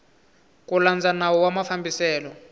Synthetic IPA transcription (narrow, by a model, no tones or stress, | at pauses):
kʼuland͡zanawɔwamafambisɛːlɔ